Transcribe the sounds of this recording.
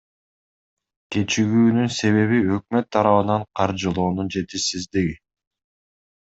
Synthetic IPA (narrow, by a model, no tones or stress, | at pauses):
ke̞t͡ʃiɡyːnynse̞βe̞βiø̞k̚mø̞t̪ʰːɑɾɑβɯnɑɴqʰɑɾd͡ʒɯlˠo̞ːnund͡ʒe̞t̪isizd̪iɡi